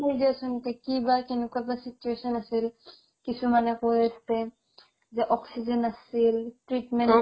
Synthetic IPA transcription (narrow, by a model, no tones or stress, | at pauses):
ejdiasunkɛkibakenukabasit͡ʃuesɔnasil | kisumanɛkoɾest̪ɛ | zɛʔɔksizenasilʈɹiʈmɛn